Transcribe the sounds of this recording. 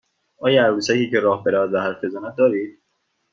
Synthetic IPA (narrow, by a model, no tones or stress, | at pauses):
ʔɒːjæɾɾusæciːcʰeɾɒːhbeɾævæd̪væhæɾfezænæd̪̚d̪ɒːɾiːd̪̥̚